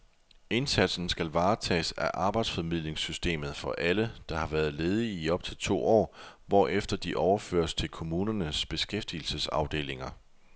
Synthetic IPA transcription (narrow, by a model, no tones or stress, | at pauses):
e̝nsæd̥sn̩sɡ̥ælʋɑ̈ːt͡sʰɛ̰ːsæʔɑ̈ːb̥ɑ̈ɪd̥sfɒmið̞̰ˠle̝ŋsysd̥e̝̰ːmð̩ˠfɒ̽ʔæləd̥ɑ̈hɑ̈ʋæːɐð̞̩ˠle̝ːð̞ˠiiɒ̽b̥t͡sʰe̝lt͡sʰo̝̰ːɒ̰ːʋɒ̰ːʔefd̥ɐd̥iʔɒʊɐfø̰ːɐst͡sʰe̝lkʰo̝muːnɐnəsb̥e̝sɡ̥efd̥il̩səsɑ̈ʊd̥e̝̰ːle̝ŋɐ